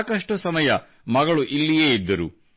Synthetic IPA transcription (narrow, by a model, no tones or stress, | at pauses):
kɐʂʈɐsɐmɐjɐ | mɐɡɐɭuʔilːijeːid̪ːɐɾṵ